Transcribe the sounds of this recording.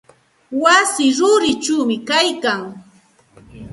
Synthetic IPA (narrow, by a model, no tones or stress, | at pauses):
wasɪɾʊɾɪt͡ʃuwmɪkajkaŋ